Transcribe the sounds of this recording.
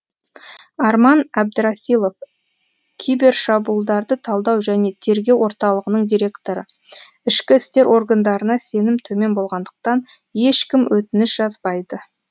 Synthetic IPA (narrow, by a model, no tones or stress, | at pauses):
ɑɾmɑnæb̚d̪ɪɾɑsilˠo̞f | kʲʰijbe̞ɾʃɑbuəlˠd̪ɑɾd̪ət̪ʰɑlˠd̪ɑwʒæne̞t̪ʰe̞ɾɡʲe̞wwo̞ɾt̪ɑlˠəʁənəɴd̪iɾʲe̞kt̪o̞ɾə̰ | ɪʃkʲɪɪst̪e̞ɾʔo̞ɾɡand̪ɑɾənɑse̞nɪmt̪ʰɵme̞nbo̞lˠʁɑnd̪əq̚t̪ɑn | je̞ʃkʲɪmwʔɵt̪ɪnɪʃʒ̥ɑzbɑjd̪ə